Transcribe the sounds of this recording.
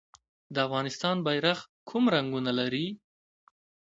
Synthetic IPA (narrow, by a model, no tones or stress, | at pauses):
d̪əafɣɑnɪst̪ɑnbajɾax | kʰumɾaŋɡunalaɾi